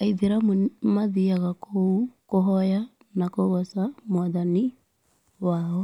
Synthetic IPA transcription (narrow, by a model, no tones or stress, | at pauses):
aiðeɾammaðiaɣakʰoukoɦɔja | nakoɣɔsamowaðani | waːɔ